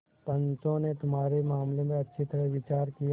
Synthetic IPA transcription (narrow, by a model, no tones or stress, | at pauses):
pɐ̃nt͡ʃõnet̪ʊmɦaːɾemaːmlemẽɐtːʃʰit̪ɐɾəʋɪt͡ʃaːɾkij